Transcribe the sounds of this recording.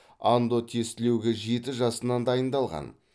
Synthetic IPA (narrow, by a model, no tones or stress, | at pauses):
and̪o̞t̪ʰe̞st̪ɪle̞wɡʲɪʒe̞t̪ɪʒɑsənɑnd̪ɑjənd̪ɑlˠʁɑ̰n